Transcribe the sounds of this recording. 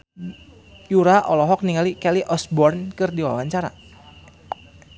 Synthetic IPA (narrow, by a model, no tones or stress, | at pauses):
juɾaʔɔlɔɦɔk̚niŋalikɛliʔɔsbɔrnkɨrdiwawaɲt͡ʃaɾa̰